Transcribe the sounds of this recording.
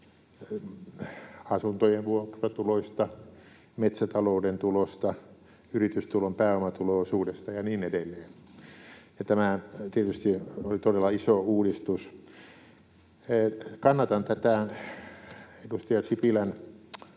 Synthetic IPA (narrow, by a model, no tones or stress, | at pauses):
ɑsunt̪ojenʋuokrɑt̪uloist̪ɑ | met̪sæt̪ɑloudent̪ulost̪ɑ | yrit̪yst̪ulompæːomɑt̪uloːˑsuːdest̪ɑjɑniːnedelːeːn | jɑt̪æmæt̪iet̪yst̪iolit̪odelːɑisouːdist̪us | kɑnːɑt̪ɑnt̪æt̪æ | edust̪ɑjɑsipilæn